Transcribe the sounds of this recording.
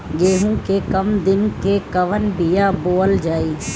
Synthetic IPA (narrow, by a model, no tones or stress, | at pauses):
ɠeːɦũːkeːkəmd̪ɪnkeːkəʋənbijaːboːəld͡ʒaːiː